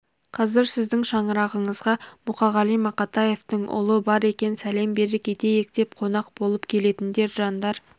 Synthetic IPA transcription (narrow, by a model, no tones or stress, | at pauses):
qʰɑzɪɾsɪzd̪ɪŋʃɑɴəɾɑʁəɴəzʁɑmʊqɑʁɑlˠijmɑqɑt̪ɑje̞ft̪əɴʔʊ̰lˠəbɑɾe̞kʲe̞nsæle̞mbe̞ɾɪkʲʰe̞t̪e̞jek̚t̪e̞p̚qʰo̞nɑq̚b̥o̞lˠəpkʲʰe̞le̞t̪ɪnd̪e̞ɾʒɑnd̪ɑɾ